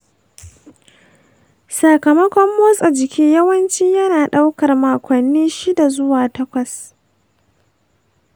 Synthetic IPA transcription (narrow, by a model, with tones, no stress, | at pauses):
saː˨kɐ˨mɐ˦kʷɔ˦mːoː˦sʼa˨d͡ʒɪ˨kʲʰiː˦jɐ˦wɐ˦nt͡ʃiː˦jɐ˦naː˨ɗa˦wkɐ˨rmaː˨kʷɐ˨nːiː˦ʃi˦da˨zʊ˦waː˨tɐ˦kʷɐ˨s